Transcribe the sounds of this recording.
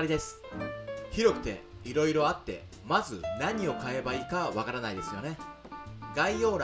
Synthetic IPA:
ɾʲid̪e̞sɨ̥ | çiɾo̞kɯ̟̥t̪e̞̰iɾo̞iɾo̞at̪ːe̞̰ | mazɨnaɲ̟io̞kae̞baiːkaβakaɾanaid̪e̞sɨjo̞ne̞ | ɡaijo̞ːɾ

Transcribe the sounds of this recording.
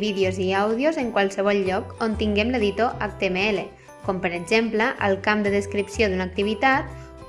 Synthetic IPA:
βiðeoziawðiozəŋkwalˠsəβ̞ɔʎˠʎɔkont̪iŋɡɛmləðit̪oʔak̚t̪emeele | kɔmpəɾəɡʒempləʔəlˠkamd̪əðəskɾipsjoðunak̚t̪iβ̞it̪at̪

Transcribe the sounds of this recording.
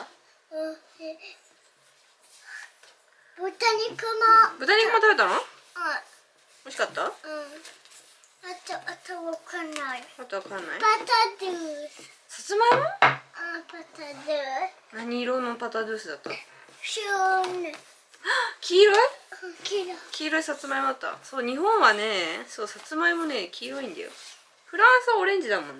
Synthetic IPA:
ɯ̃ | e | b̥ɯt̪aɲʲikɯmabɯ̟t̪aɲ̟ikɯmat̪abe̞t̪ano | a | oɕi̥kat̪ːaɯ̃ | at̪aʔt̪aβakʰanːaiat̪ːaβakãnːa̰ipat̪ad̪ɯːs | sat͡sɨmaoapat̪ad̪ɯːs | naɲ̟iːɾonːopat̪ad̪ɯːsɨd̪at̪ːaɕone | akʲiːɾoikʲiɾokʲiːɾoisat͡sɨmaimoat̪ːa̰so̞ːɲ̟iɦõ̞ɰ̃βane̞so̞ːsat͡sɨmaimo̞ne̞kʲiːɾoĩnd̪a̰jo̰ | ɸɯ̟ɾãɰ̃sɨβaoɾẽ̞ɲ̟d͡ʑid̪amõ̞nː

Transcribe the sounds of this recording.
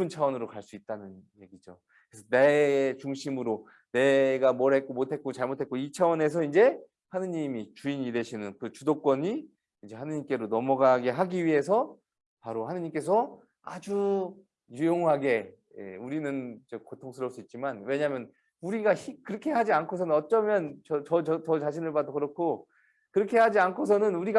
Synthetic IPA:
ɯnt͡ɕʰawʌnɯɾokaɭs͈uit̚t͈anɯnje̞ɡid͡ʑo | kɾesʰʌne̞t͡ɕuŋɕʰimɯɾo | ne̞ɡamwʌɾet̚k͈omotʰe̞t̚k͈ot͡ɕaɭmotʰe̞t̚k͈oit͡ɕʰawʌne̞s̬ʰʌind͡ʑe̞ | hanɯɲimit͡ɕuiɲide̞ɕʰinɯnkɯt͡ɕudok͈wʌɲi | ind͡ʑe̞hanɯɲimk͈e̞ɾonʌmʌɡaɡe̞ɦaɡiɥiɦe̞s̬ʰʌ | paɾohanɯɲimk͈e̞s̬ʰʌ | a̰d͡ʑu | jujoŋɦaɡe̞ | jḛuɾinɯnd͡ʑekotʰoŋsʰɯɾʌp̚s͈uit̚t͡ɕ͈imanwe̞ɲaɦmjʌn | uɾiɡaɕikɯɾʌkʰe̞ɦad͡ʑiankʰos̬ʰʌnɯnʌt͡ɕ͈ʌmjʌnt͡ɕʌt͡ɕʌt͡ɕʌt͡ɕʌt͡ɕaɕʰinɯɭpadokɯɾʌkʰo | kɯɾʌkʰe̞ɦad͡ʑiankʰos̬ʰʌnɯnuɾiɡa

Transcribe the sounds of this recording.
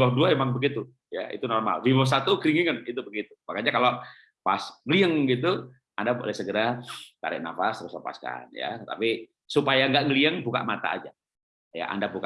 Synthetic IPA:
ohduaemaŋbəɡit̪u | ja̰ḭt̪unɔrma̰lvibos̬at̪ukɾiŋiŋənit̪ubəɡit̪ubakaɲakalo | pasɡəliəŋɡit̪u | andabualasəɡəɾat̪a̰ɾɪ̰ʔ̚na̰fasɾusapa̰ska̰nja̰t̪api | supajaŋɡaʔɡəliəŋbuka̰ʔmat̪a̰ːd͡ʒa | ja̰ʔa̰ndabuka

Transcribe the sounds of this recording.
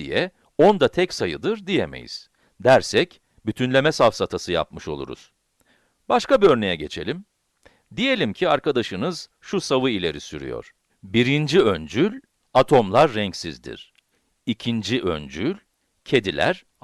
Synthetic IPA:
ḭjɛ | o̞nd̪at̪ʰɛcsajɯd̪ɯɾd̪ijeme̞̰jḭz̥ | d̪æɾsɛc | byt̪ʰynlʲe̞mɛsafsat̪ʰasɯja̰pmɯʃo̞lˠṵɾṵz̥ | baʃkabiøɾne̞jɛɟe̞t͡ʃʰe̞̰lʲim | d̪ije̞lʲimcʰiaɾkʰad̪aʃɯnɯz | ʃusavɯilʲe̞ɾisyɾy̰jo̞̰ɾ̥ | biɾind͡ʒiønd͡ʒylʲ | at̪ʰo̞mlˠaɾːɛɲcsizd̪ḭɾ̥ | icʰind͡ʒiʔønd͡ʒylʲ | cʰe̞d̪ilʲæ̰ɾ̥

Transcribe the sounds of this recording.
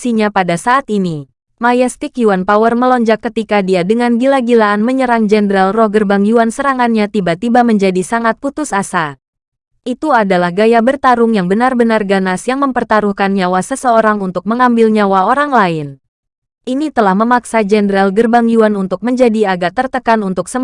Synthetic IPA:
siɲapadasaːt̪ini | majast̪ɪkjuanpawərməlɔɲd͡ʒakːət̪ikadiadəŋanɡilaɡilaːnməɲəɾaŋd͡ʒɛndəɾalrɔhɡərbaŋjuansəɾaŋanɲat̪ibat̪ibaməɲd͡ʒadisaŋat̪̚put̪ʊsasa | ʔit̪uadalahɡajabərt̪aɾʊŋjaŋbənarbənarɡanasjaŋməmpərt̪aɾuhkanɲawasəsəoɾaŋunt̪ʊk̚məŋambɪlɲawaoɾaŋlaɪn | ʔinit̪əlahməmaksad͡ʒɛndəɾalɡərbaŋjuanunt̪ʊk̚məɲd͡ʒadiaɡat̪ərt̪əkanunt̪ʊksə

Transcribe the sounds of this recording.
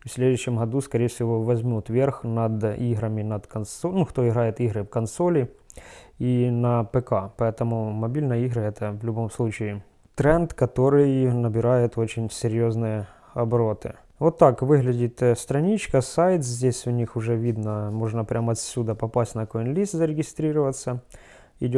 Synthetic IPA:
fsʲlʲed̪ʊjɕːɪmɦɐd̪uskɐɾʲejfsʲɪʋo̞ʋɐzʲmʲut̪ʋʲerxnɐd̪iɣɾɐmʲɪnɐd̪kɐnsonuxt̪o̞ɪɣɾajɪt̪iɣɾɨfkɐnso̞lʲɪ | inɐpɛkapɐɛt̪ɐmʊmɐbʲilʲnɐjiɣɾɐɛt̪ɐvlʲʊbo̞mslˠut͡ɕɪɪ | t̪ɾɛnt̪kɐt̪o̞ɾɨjnɐbʲɪɾajʊt̪o̞t͡ɕɪnʲsʲɪɾʲjoznɨjə | ɐbɾo̞t̪ɨ | vo̞t̪ːakʋɨɣlʲɪdʲit̪st̪ɾɐnʲit͡ɕkəsajt̪szʲdʲesʲʊnʲixʊʐɛʋʲid̪nɐmo̞ʐnɐpɾʲamɐt̪sʲːud̪ɐpɐpasʲtʲnɐkonlʲist̪zəɾʲɪɡʲɪst̪ɾʲiɾəʋɐt̪sə | ɪ̰dʲ

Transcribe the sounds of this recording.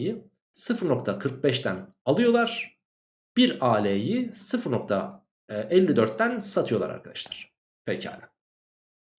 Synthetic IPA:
ji | sɯfɯɾno̞k̚t̪ʰakʰɯɾk̚bɛʃt̪ʰæn | alˠɯjo̞lˠaɾ̥ | b̥iɾaːlʲejisɯfɯɾno̞k̚t̪ʰa | ɛlʲːid̪øɾt̪̚ːænsat̪ʰɯjo̞lˠaɾa̰ɾkʰad̪aʃlˠaɾ̥ | pʰɛjca̰ːlʲɛ

